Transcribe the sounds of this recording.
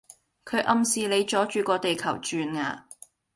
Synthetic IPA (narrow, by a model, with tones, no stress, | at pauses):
kʰɵ˨˧ɥʔɐ˨˧msiː˨˧le˨˧jt͡ʃɔː˨˥t͡ʃyː˨˧kɔː˧t̪e˨jkʰɐ˨˩wt͡ʃyː˧nŋaː˧